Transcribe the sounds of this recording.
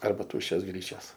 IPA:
ˈɐrbɐ ˈtuːʃʲt͡ʃʲoːs ˈɡrʲiːt͡ʃʲɛs

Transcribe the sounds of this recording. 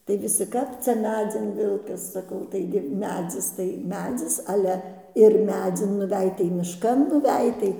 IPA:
tɐɪ ʋʲɪˈsʲɪ ˈkɐp t͡sʲɛ ˈmʲæːd͡zʲɪn ˈʋʲɪlˠkɐs sɐˈkɐʊ ˈtɐɪɡʲɪ ˈmʲæːd͡zʲɪs tɐɪ ˈmʲæːd͡zʲɪs ˈɑːlʲɛ ɪr ˈmʲæːd͡zʲɪn nʊˈʋʲɛj tɐɪ mʲɪʃˈkɐn nʊˈʋʲɛj tɐɪ

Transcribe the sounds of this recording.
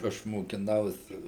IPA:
ˈɐʃ moːkʲɪˈnɐʊsʲɪ

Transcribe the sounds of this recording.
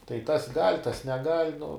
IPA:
tɐɪ tɐs ɡɐlʲ tɐs nʲɛˈɡɐlʲ nʊ

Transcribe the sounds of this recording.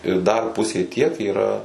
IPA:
ɪr ˈdɐr ˈpʊsʲeː tʲiɛk iːˈrɐ

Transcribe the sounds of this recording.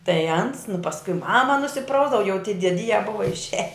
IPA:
tɐɪ ɐns nʊ pɐsˈkʊɪ ˈmɑːmɐ nʊsʲɪˈprɐʊzdɐʋɐ jɛʊ tʲiɛ dʲiɛˈdʲiːjɛ ˈbʊʋɐ ɪʃʲˈɛj

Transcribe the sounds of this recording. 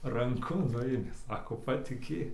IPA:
rɐŋˈkʊ ˈnʊeːmʲeː ˈsɑːkoː pɐtʲɪˈkʲeːk

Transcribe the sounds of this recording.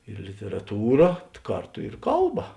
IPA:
ɪr lʲɪtʲɛrɐˈtuːrɐ ˈkɐrˌtʊ ɪr ˈkɐlˠˌbɐ

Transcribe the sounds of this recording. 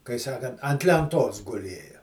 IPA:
kɐɪ ˈsɑːkɐnt ɐnt lʲɛnˈtoːs ɡʊˈlʲeːjɛ

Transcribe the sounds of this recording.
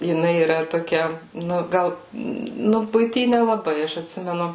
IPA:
jɪˈnɐɪ iːˈrɐ toːˈkʲɛ ˈnʊ ˈɡɐlˠ ˈnʊ bʊɪˈtʲiː nʲɛlˠɐˈbɐɪ ˈɐʃ ɐtʲˈsʲɪmʲɛnʊ

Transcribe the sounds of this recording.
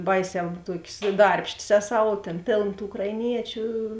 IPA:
ˈbɐɪˌsʲɛː ˈtuɔkʲeːs ˈdɐrʲpʲʃʲtʲeːs ˈæːˌsɐʊ oː ˈtʲeːn ˈpʲeːlˠn tuː ʊkrɐɪˈnʲiɛt͡ʃʲʊ

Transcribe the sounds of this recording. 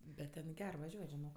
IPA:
bʲɛt tʲɛn ˈɡʲɛr ʋɐˈʒʲuɔtʲ ʒʲɪˈnoːk

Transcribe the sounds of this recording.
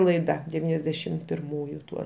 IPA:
lˠɐɪˈdɐ dʲɛˈʋʲiːnʲɛzʲdʲɛʃʲɪm pʲɪrˈmuːjʊ ˈtuɔ

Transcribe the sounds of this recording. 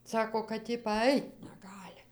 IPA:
ˈsɑːkoː kɐt ˈjɪ pɐˈɐɪt nʲɛˈɡɑːlʲɪ

